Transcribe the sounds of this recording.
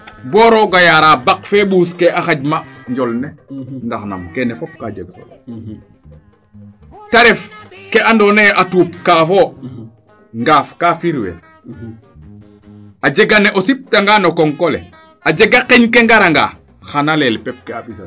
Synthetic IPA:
boːɾoɡajaɾabakfeːɓuːskeʔaxaɟmaɲɟolnenɡaxna̰mkenefop̚kaɟeɡo̰ | taɾefkeandoneʔatuːp̚kaːfo | ŋɡaːfkafiɾwḛ | ad͡ʒeɡaneʔosip̚taŋɡaːnokoŋkolḛ | ad͡ʒeɡakeɲkeŋɡaɾaŋɡa̰ː | xanalelpep̚kebi

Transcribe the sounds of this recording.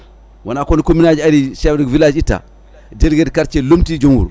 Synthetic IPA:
wanakonikominad͡ʒaɾiʃawdivilad͡ʒita̰ | delɡedkaɾt͡ʃelomtid͡ʒoŋwṵɾ

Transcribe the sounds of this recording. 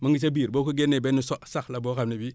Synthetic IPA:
maŋɡit͡ʃabiːɾbokuɡenebenusosaxlabokamnebi

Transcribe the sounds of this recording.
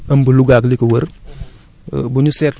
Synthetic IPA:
ɐmbuluɡaklikəwəɾ | buɲuset

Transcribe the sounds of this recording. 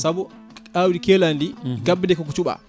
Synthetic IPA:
sabu | awɾikɛlandiɡabdɛkɔk̬ut͡ʃuɓa̰

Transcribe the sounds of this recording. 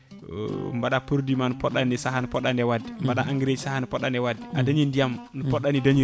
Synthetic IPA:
mbaɗapuɾdimanupɔɗanɛsaɦanupɔɗandɛwadimbaɗaʔaŋɡiɾed͡ʒisahanupɔɗandɛwadiadaɲindijamnupɔɗanidaɲi

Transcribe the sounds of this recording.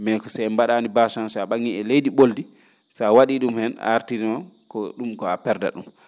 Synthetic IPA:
mɛkɔsajmbaɗaːnibasansaɓaŋːiɛlejdiɓoldi | sawaɗiɗumhɛna̰ɾtiɾimankɔɗumkɔapɛɾda̰ɗṵm

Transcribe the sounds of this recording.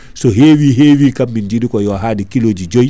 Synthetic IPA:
sɔɦeːwiːɦeːwiːkamːindidikɔjɔɦaːdikiloːd͡ʒid͡ʒoj

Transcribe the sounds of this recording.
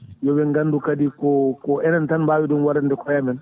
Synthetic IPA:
jɔbɛŋɡanːdukadikɔkɔʔɛnantanbaːwidunwaɾandɛkɔjabɛn

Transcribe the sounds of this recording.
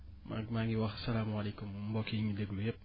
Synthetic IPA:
ma̰ɡ̚maŋiwɐxsɐlaːmɐlekummbɔːkijɲideɡlujɛp̚

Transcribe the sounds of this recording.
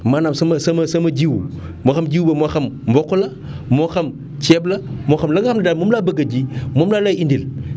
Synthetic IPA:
manamsɐmɐsɐmɐsɐmɐd͡ʒiw | moxɐmd͡ʒiwbɐmoxɐmmbɔkːolɐ | moxɐm | t͡ʃɛblɐmoxɐmlɐɡɐxɐmlɐdaːlmomlabɐɡɐd͡ʒimomlaːlaindil

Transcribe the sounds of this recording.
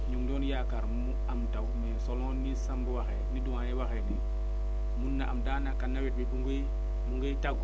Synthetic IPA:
ɲuŋdɔːnjakaɾmmu | amtawmesolɔ̃nisambuwaxeniduwãnewaxenḭ | munːaʔamdaːnakanːawɛt̚bibuŋɡi | muŋɡetaɡ

